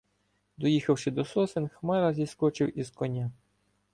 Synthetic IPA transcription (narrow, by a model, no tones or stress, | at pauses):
d̪ɔjixɐwʃɪd̪ɔsɔsenxmɛɾɐzʲiskɔt͡ʃɪwizkɔnʲa